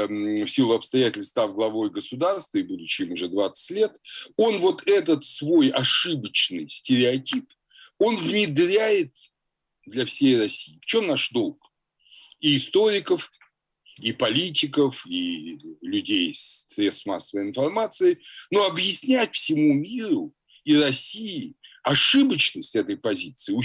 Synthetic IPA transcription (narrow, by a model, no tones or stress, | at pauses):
fsʲilˠʊɐpst̪ɐjætʲɪlʲst̪avɡlˠɐvo̞jɡəsʊd̪arst̪vəɪbud̪ʊt͡ɕɪɪmʊʐɛd̪vat̪sɨ̥tʲlʲe̞t̪o̞nvo̞t̪ʰɛt̪ət̪svo̞jɐʂɨbət͡ɕnɨjsʲtʲɪɾʲɪɐtʲip | o̞nvnʲɪd̪ɾʲæjɪt̪ | d̪lʲɐfsʲejrɐsʲijɪft͡ɕo̞mnaʂd̪o̞lˠk | iːst̪o̞ɾʲɪkəf | ipɐlʲitʲɪkəfilʲʉdʲejsɾʲesma̰sːəvəjɪnfɐrmat̪sɨɪno̞ɐbjɪsʲnʲætʲfsʲɪmumʲiɾʊ | irɐsʲijɪɐʂɨbət͡ɕnəsʲtʲɛt̪əjpɐzʲit̪sɨɪʊ